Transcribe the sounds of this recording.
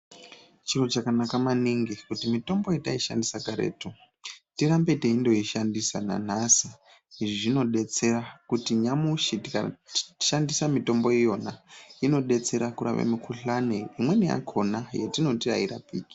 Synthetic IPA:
t͡ʃirot͡ʃakanakamaniŋɡikutimito̞mbo̞jetaiʃa̰ndisakaɾe̞̰ːto | tirambe̞teindo̞iʃandisana̰n̤asi | iʐiʐino̞ɗe̞t͡se̞ɾakutiɲamuʃitikai̥ʃandisamito̞mbo̞ijo̞naino̞ɗe̞t͡se̞ɾakuɾa̰ʋḛmikʰuɬaneimwe̞nija̰kʰo̞najetino̞tira̰iɾa̰piːki̥

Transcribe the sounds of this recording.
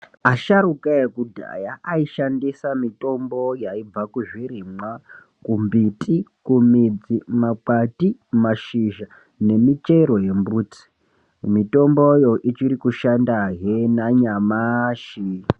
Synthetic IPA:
aʃaɾukaekudʱa̰jaʔaiʃandisamitʼo̞mbo̞jaib͡vakuʐiɾimwa | kumbitʼikumid͡zimak͡patimaʃiʒa | ne̞mit͡ʃeɾo̞je̞mbuːt͡si̥ | mito̞mbojo̞ʔit͡ʃiɾikuʃandaɦenaɲamaʃi

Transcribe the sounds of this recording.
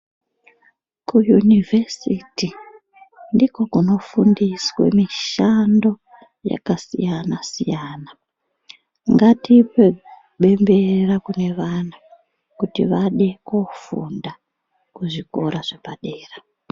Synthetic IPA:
kujunivʱesiti | ndiko̞kuno̞fundiswe̞̰miʃando̞ | ja̰kasijanasijaːna | ŋɡatipe | ɓe̞mbe̞rakune̞ʋana | kutiʋaɗe̞kofṵnda | kuʐiko̞ɾaʐe̞paɗeːra

